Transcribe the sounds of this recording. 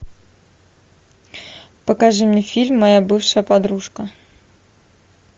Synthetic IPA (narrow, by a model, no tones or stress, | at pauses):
pɐkaʐɨmnʲɛfʲilʲmːajabɨfʂɐjəpad̪ɾuʂkɐ